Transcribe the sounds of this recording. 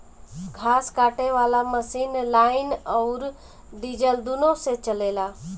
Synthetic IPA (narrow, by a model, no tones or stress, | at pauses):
ɡʰʱaːskaːʈeʋaːlaməsiːnlaːɪnɔːɾ | ɖiːd͡ʒəld̪unoset͡ʃɐleːlaː